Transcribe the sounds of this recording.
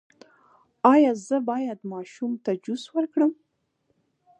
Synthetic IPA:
ɑjɑzəbɑjad̪mɑʃumt̪ad͡ʒuswəɾkɽəm

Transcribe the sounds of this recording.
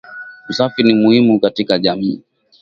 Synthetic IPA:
usafiɾnimuhimukatikaʄamiː

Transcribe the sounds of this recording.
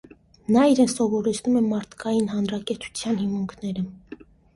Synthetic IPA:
nɑiɾɛnsɔvɔɾɛt͡sʰnumɛmɑɾt̪ʰkɑjinɦɑnɾɑkɛɾt͡sʰu̥t͡sʰjɑnhimuŋkʰnɛɾə

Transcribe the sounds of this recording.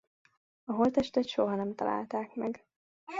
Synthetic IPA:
ɒɦolt̪ɛʃt̪ɛt̪ʃoɦɒnɛmt̪ɒla̰ːlt̪aːkmɛɡ

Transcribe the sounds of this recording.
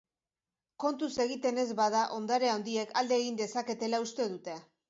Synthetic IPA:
ko̞nt̪use̞ɣ̞it̪e̞ne̞zβaðaʔo̞nd̪aɾe̞aond̪ie̞kʰald̪e̞ːɣind̪e̞sake̞t̪e̞laust̪e̞ðut̪e̞

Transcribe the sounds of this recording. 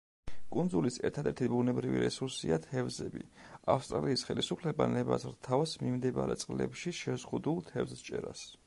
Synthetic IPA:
kʼund̪zulisɛɾt̪ʰad̪ɛɾt̪ʰibunɛbɾiviɾɛsuɾsiat̪ʰɛvzɛbḭafst̪ʼɾaliːsχɛlisupʰlɛbanɛbazɾt̪ʰavasmimd̪ɛbaɾɛt̪sʼqʼlɛ̰pʃiʃɛzʁud̪ulˠt̪ʰɛvzt͡ʃʼɛɾas

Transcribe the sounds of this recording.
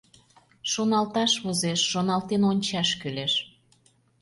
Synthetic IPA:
ʃonɑlt̪ɑʃβozeʃːonɑlt̪enonʲt͡ɕɑʃkyleʃ

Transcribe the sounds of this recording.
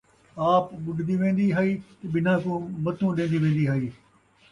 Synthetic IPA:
aːpɓʊɖʱnd̪iʋẽːn̆d̪iɦaːiːt̪ɐɓɪnãkũːmɐt̪ʰũːɗẽːn̆d̪iʋẽːn̆d̪iɦaːiː

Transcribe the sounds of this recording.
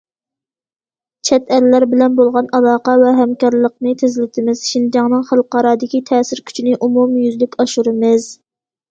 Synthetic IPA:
t͡ʃʰɛt̪ʰæɾlæɾbɪlɛnbolˠʁɑnɑlˠɑːqɑvɛɦɛmkʲɑɾlˠəqnɨt̪ʰɪzɪlɪt̪ʰɪmɪz̥ʃind͡ʒɑŋnɨŋχælˠqɑɾɑːd̪ɪkʲit̪ʰɛːsɪɾkʲʰy̥t͡ʃʰinɪʔumumjyzlykʲɑʃuɾɪmɨz

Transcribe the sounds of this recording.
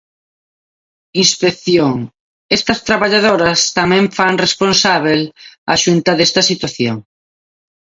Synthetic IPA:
inspekθjoŋ | ɛst̪ɐst̪ɾaβaʎaðoɾɐst̪amɛ̃ɱfaŋresponsaβ̞ela̰ʃunt̪ɐðɛst̪ɐsit̪waθjoŋ

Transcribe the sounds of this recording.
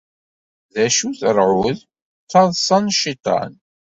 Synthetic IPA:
ðæʃuθəɾˤʕʊð | t͡sːɑðˤsˤɑnʃit̪ˤɑ̰n

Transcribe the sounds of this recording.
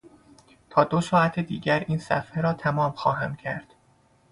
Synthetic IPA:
t̪ʰɒːd̪osɒːæt̪ʰed̪iːɟæɾiːnsæ̰fheɾɒːt̪ʰæmɒːmxɒːɦæmcʰæɾd̪̥

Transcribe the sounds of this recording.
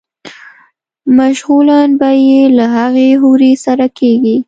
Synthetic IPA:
maʃɣulanbajelaɦaɣeɦuɾesaɾakeɡi

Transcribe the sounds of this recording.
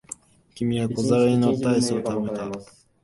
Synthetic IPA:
kʲimʲiβako̞zaɾainot̪aisɨot̪amet̪a

